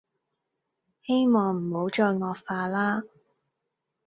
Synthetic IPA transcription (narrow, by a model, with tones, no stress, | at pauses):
he˥jmɔː˨ŋm̩˨˩ho˨˥wt͡ʃɔː˧jŋɔː˧k̚faː˧laː˥